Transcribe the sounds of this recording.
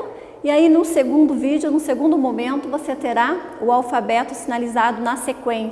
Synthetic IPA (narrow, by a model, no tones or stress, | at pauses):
iainʊseɡũnd̪ʊvid͡ʒʊnʊseɡũnd̪ʊmõmẽnt̪ʊvoset̪eɾa | ʊawfabɛt̪ʊsinalizad̪ʊnɐsekwẽ